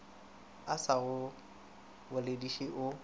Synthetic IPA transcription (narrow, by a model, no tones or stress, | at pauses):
asaɣʊ | bʊlediʃiʔʊ